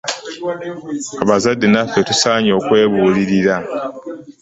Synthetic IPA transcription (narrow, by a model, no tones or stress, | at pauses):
aβazadːinafːe̞tusaːɲo̞ːkwe̞ːβuːliɾiɾa